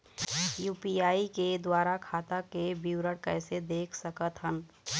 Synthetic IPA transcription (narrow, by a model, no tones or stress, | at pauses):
juːpiaːiked̪waːɾakʰaːt̪akebiwɾəɽkɛːsed̪eːkʰsəkət̪ɦən